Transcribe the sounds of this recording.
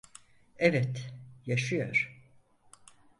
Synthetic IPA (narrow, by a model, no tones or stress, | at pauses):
ɛvɛt̪jaʃɯjo̰ɾ̥